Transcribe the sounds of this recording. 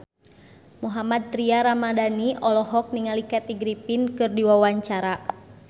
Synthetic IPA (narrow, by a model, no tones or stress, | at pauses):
muɦamad̪̚t̪ɾiaɾamadaniɔlɔɦɔk̚niŋalikat̪iɡɾipinkɨrdiwawaɲt͡ʃaɾa